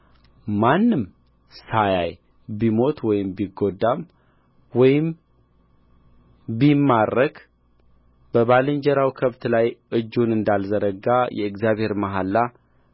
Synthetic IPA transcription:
manːɨm | saja̰j | bimo̞t̪ʰwɔjɪmbiɡo̞d̪ːam | wɔjɪm | bimːarːəɡ | b̥əβalɨɲd͡ʒɛɾawikʰəβt̪lajʔɨd͡ʒːunɨnd̪alzəɾəɡajɛ̰ɨɡzjaβhe̞ɾmaɦalːa

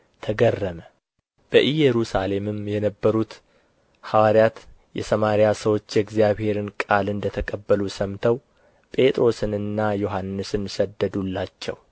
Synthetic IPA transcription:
t̪ʰəɡərːəmə | b̥əʔijɛɾusale̞mɨmjɛnəbːəɾut̪ | hawaɾjat̪ | jɛ̰səmaɾijasəwo̞t͡ʃːjɛɡzjaβhe̞ɾɨnkʼalɨnd̪ət̪ʰəkʼəbːəlusəmt̪ʰəw | pʼe̞t̪ʼɾo̞sɨnɨnːajoɦanːɨsɨnsəd̪ːəd̪ulːat͡ʃːɛ̰w

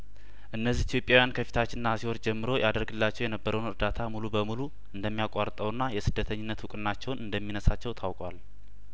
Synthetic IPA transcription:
ʔɨnːəzːiit̪ʰjo̞pʼjawjankʰəfi̥t̪ʰat͡ʃːɪnnːasihoɾd͡ʒɛmːɨɾo̞jad̪əɾɡɨlːat͡ʃːɛwjɛnəbːəɾəwnɨɾd̪at̪ʰamulubəmulu | ʔɨnd̪əmːijakʼaɾt̪ʼəwnːajɛsɨd̪ːət̪ʰəɲːɪnːət̪wʊkʼɨnːat͡ʃːɛwnɨnd̪əmːinəsat͡ʃːɛwt̪ʰawkʼwal

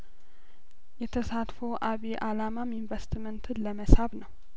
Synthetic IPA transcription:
jɛt̪ʰəsat̪fowʔaβiʔalamaminvəst̪mənt̪ʰɨnləməsaβnəw

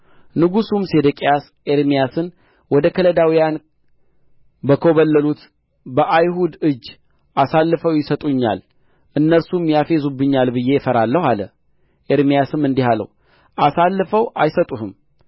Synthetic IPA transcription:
nɨɡusumsed̪əkʼijas | eɾmijasɨn | wɔd̪əkʰələd̪awijan | bəkʰoβəlːəlut̪ | bəʔajɦud̪ɨd͡ʒː | ʔasalːɨfəwjɪsət̪ʼuɲːa̰l | ʔɨnːəɾsumjafe̞zubːɨɲːalbɨjːe̞jɛfəɾalːəhalə̰ | ʔeɾmijasɨmɨnd̪ihalə̰w | ʔasalːfəwʔajsət̪ʼuhɨm

